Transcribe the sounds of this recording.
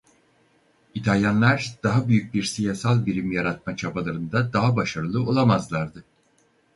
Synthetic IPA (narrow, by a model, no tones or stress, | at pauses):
it̪ʰalʲjanlˠaɾd̪̥aɦabyjyc̚biɾsijasalˠbiɾimjaɾat̪̚mat͡ʃʰabalˠaɾɯnd̪ad̪aɦabaʃaɾɯlˠɯo̞lˠamazlˠaɾd̪ɯ